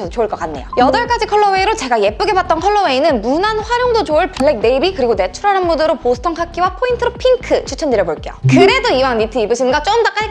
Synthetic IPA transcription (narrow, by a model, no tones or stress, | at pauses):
ʌst͡ɕoɯɭk͈ʌk͈anːe̞jojʌdʌɭk͈ad͡ʑikʰʌɭːʌwe̞iɾot͡ɕe̞ɡaje̞p͈uɡe̞bat̚t͈ʌnkʰʌɭːʌwe̞inɯnmunanɸwaɾjoŋdod͡ʑoɯɭpɯɭːe̞k̚de̞ibikɯɾiɡone̞t͡ɕʰuɾanɯnmudɯɾoposʰɯ̥tʰʌŋkʰak͈iwapʰointʰɯɾopʰiŋkʰɯt͡ɕʰut͡ɕʰʌndɯɾjʌboɭk͈e̞jo̰kɯɾe̞doiwaŋnitʰɯibɯɕʰinɡʌt͡ɕ͈oɯmtak͈ae